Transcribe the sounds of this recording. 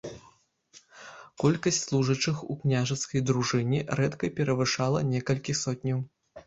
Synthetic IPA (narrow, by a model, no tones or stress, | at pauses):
kɔlʲkɐsʲtʲslˠuʐɐt͡ʂɨxṵknʲaʐɐt̪skɐjd̪ɾuʐɨnʲiɾɛt̪kɐpʲɛɾɐvɨʂalˠɐnʲɛkɐlʲkʲixsɔt̪ʲnʲɐw